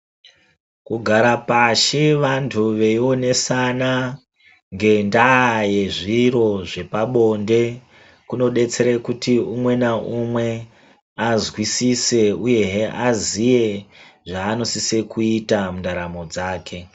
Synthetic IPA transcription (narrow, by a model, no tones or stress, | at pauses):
kuɡʱaɾapaʃeʋantʰuʋe̞io̞ne̞sana | ŋɡe̞ndaje̞ʐiɾo̞ʐe̞paɓo̞nde̞ | kuno̞ɗe̞t͡se̞ɾekutiumwe̞naʔumwe̞ | azwisise̞uje̞ɦeʔazije̞ʐaːno̞sisekuitamundaɾamo̞d͡zaːke̞